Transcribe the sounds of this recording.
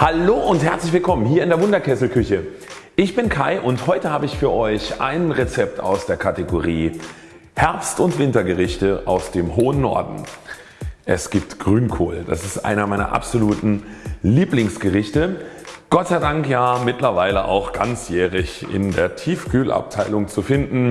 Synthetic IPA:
haloːʔʊnthɛɐt͡slɪçv̥ɪlkʰɔmənɦiːɐɪndeːɐvʊndɐkʰɛsl̩kʰʏçə | ʔɪçb̥ɪnkʰaɪʔʊnthɔʏtəhaːbəɪçfyːɐʔɔʏçʔa̰ɪnnʁɛt͡sɛp̚ta̰ʊsd̥eːɐkʰateɡoʁiː | hɛɐpstʊntv̥ɪntɐɡəʁɪçtəʔa̰ʊsd̥eːmɦoːənːɔ̰ɐdn̩ | ʔɛsɡ̥iːp̚tɡ̥ʁyːnkʰoːld̥a̰sɪstʔa̰ɪnɐmaɪnɐ̰ʔa̰pz̥oluːtn̩liːplɪŋsɡ̥əʁɪçtəɡ̥ɔtt͡saɪdaŋkjaːmɪtlɐvaɪləʔa̰ʊxɡ̥a̰nt͡sjɛːʁɪçɪ̰ndeːɐtʰiːfkʰyːlʔa̰p̚tʰaɪlʊŋt͡sufɪndn̩

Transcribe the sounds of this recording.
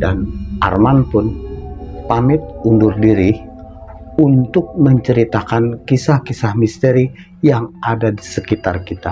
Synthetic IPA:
dana̰rmanpʊn | pamɪt̪̚undʊrdiɾi | unt̪ʊk̚məɲt͡ʃəɾit̪akankisahkisahmist̪eɾi | jaŋadadisəkit̪arkit̪a

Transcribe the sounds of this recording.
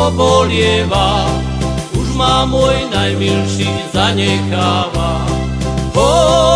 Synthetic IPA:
ɔbɔlɪɛʋa | uʒmamɔjinajmilʃizaɲɛxaːʋa | ɦɔ

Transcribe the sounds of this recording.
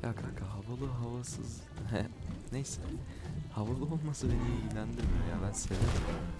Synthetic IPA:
jakʰakʰaɦavalˠɯɦavasɯ̰z | hɛ̰ | nejsɛ | havalˠɯolˠmasɯbenejilʲænd̪iɾmijo̞ɾja̰bænse̞veɾim

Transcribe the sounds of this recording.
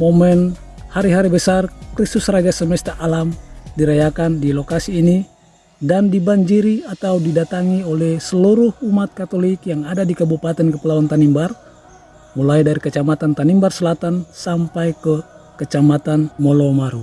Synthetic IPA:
mɔmɛn | haɾiɦaɾibəsarkɾist̪usrad͡ʒasəmɛst̪aʔalamdiɾajakandilɔkasiːni | dandibaɲd͡ʒiɾiat̪audidat̪aŋiolɛhsəluɾuhumat̪̚kat̪olikjaŋadadikabupat̪ɛnkəpəlawant̪animbar | mulajdaɾikət͡ʃamat̪ant̪animbarsəlat̪ansampajkə | kət͡ʃamat̪anmɔlɔmaɾu

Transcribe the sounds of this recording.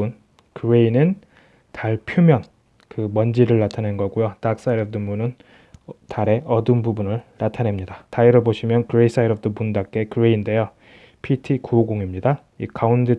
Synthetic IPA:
un | kɯɾeinɯn | tʰaɭpʰjumjʌn | kɯmʌnd͡ʑiɾɯɭːatʰanenɡʌɡujotak̚s͈aiɾʌb̚dɯmbunɯn | taɾe̞ʔʌdɯnbubunɯɭnatʰane̞mɲidataiɾoboɕʰimjʌnkɯɾeis͈ʰaiɾʌb̚domundak͈e̞kɯɾeinde̞jo | pʰitʰikoɡoŋimɲida | ḭkʰaundɯ

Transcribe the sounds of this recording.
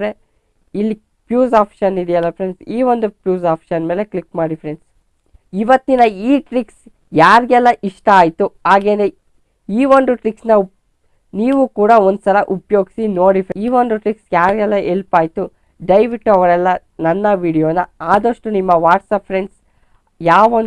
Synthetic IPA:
ɾe | ilːi | pjuːsaːpʰʃɐnid̪ɛjɐlːɐpʰɾe̞ɳɖsiːʋo̞nd̪upjuːzaːpʰʃɐnme̞ːle̞klikmaːɽifʰɾeɳɖs | iʋɐt̪ːinɐiːʈɾiks | jaːɾiɡɛlːɐʔiʂʈɐaːjt̪uɦaːɡe̞ːne | iːʋo̞nɖ̪uʈɾiksnɐ | niːʋukuːɽɐo̞nd̪usɐlɐʔupjo̞ːɡisinoːɽifʰiːʋo̞nd̪uʈɾiksjaːɾiɡɛlːɐɦelpaːjt̪u | ɖɐjʋikʈːɐʋɐɾɛlːɐ | nɐnːɐʋiːɽijoːnɐaːd̪ɐʂʈunimːɐʋaːʈsɐpʰɾeɳɖs | jaːʋɐ

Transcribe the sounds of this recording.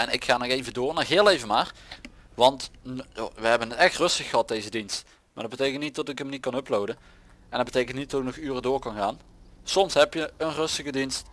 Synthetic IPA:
ɛnɪkxaːnɔxejvədʊːrnɔxɦɪːlˠejvənmaːrʋɑntjaʋəɦɛbənətɛxtrɵstəxəɦɑt̚dejzədinst | maːɹdɑdbətejkəntnit̚dɑtɪkəmnit̚kɑnɔplowdən | ɛndɑt̚bətejkən̩tnitdɑtɪk̚nɔχyːrədʊːɹkɑnɣaːnsɔmsɦɛpjəənrɵstəɣədinst

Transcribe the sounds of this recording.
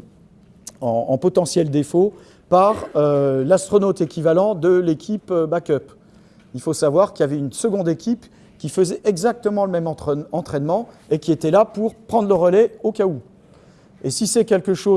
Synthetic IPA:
ɑ̃ɑ̰̃pɔt̪ɑ̃sjɛld̪efo | paʁølast̪χɔnot̪ekʲivalɑ̃d̪əlekʲʰipøbakœp | ilfosavwaʁkʲiljavɛynsəɡɔ̃d̪ekʲip | kʲifəzɛʔɛɡzak̚t̪əmɑ̃ləmɛmɑ̃t̪χɛɑ̃t̪χɛnmɑ̃ | ekʲiet̪ɛlapuʁpχɑ̃d̪ʁləʁəlɛokʲau | esisɛkʲɛlkəʃo

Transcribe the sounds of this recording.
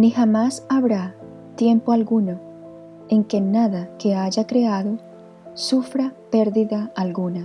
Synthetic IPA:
nixamasaβɾa | t̪je̞mpoalɣuno | eŋke̞naðake̞aʝakɾeaðo | sufɾapeɾðiðaːlɣuna

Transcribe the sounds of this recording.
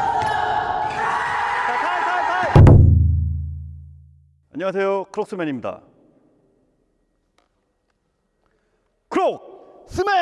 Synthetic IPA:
aaaa | a̰ɲːʌŋas̬ʰejokɯɾok̚s͈ɯmeɲimɲida̰ | kɯɾok̚s͈ʰɯme

